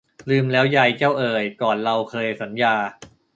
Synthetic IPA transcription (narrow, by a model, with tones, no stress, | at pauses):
lɯː˧mlɛː˦˥wja˧˩jt͡ɕaː˥˩wʔɤː˧˩jkɔː˨˩nɾa˧wkʰɤː˧jsa˩˦njaː˧